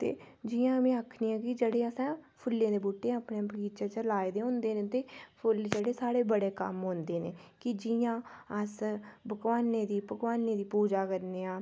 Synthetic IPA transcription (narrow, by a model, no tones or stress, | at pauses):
t̪ḛːd͡ʒɪãːmẽːaːkʰniːãːkɪd͡ʒəɽeːəsãːpʰʊlːẽːd̪eːbuːʈːeːaːpnebəkiːt͡ʃaːt͡ʃəlaːed̪eːɦʊ̃ːnd̪eːnẽːt̪eːpʰʊld͡ʒeɽeːsaːɽeːbəɽeːkə̰mɦõːnd̪eːnḛːkɪd͡ʒɪjãːəsbəkʋaːnẽːd̪iːbəɡʋaːneːd̪iːpuːd͡ʒaːkəɾneːãː